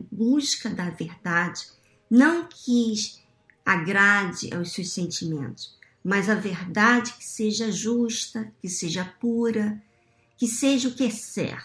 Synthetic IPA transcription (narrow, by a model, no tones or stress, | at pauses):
buskɐd̪ɐveɾd̪ad͡ʒɪ̥ | nɐ̃w̃kʰɪ | aɡɾad͡ʒɪ̰ʔa̰wssewsẽnt͡ʃimḛ̃nt̪ʊ̥s | mɐzɐveɾd̪ad͡ʒɪkɪ̥seʒɐʒuʃt̪ɐkɪseʒɐpuɾɐ | kɪseʒɐʊkɪɛsɛ̰ɾ